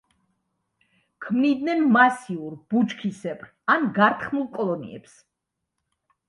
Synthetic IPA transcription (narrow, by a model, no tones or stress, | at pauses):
kʰmnid̪nɛnmasiuɾb̥ut͡ʃkʰisɛpʰʼɾ | anɡaɾt̪ʰχmulˠkʼɔlˠɔnḭɛ̰ps